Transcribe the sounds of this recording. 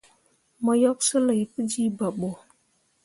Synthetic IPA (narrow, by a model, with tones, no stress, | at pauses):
mə˨jɔ˦k̚sə˦lə˨jpə˦d͡ʒi˦ba˨ɓo˨